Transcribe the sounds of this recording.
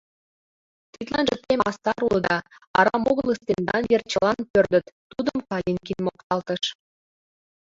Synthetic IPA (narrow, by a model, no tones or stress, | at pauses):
t̪it̪lɑnʒə̆t̪emɑst̪ɑɾuləd̪ɑ | ɑɾɑmoɣələst̪end̪ɑnvert͡ɕəlɑnpørd̪ə̆t̪ːud̪əmkɑjenkinmokt̪ɑlt̪ə̆ʃ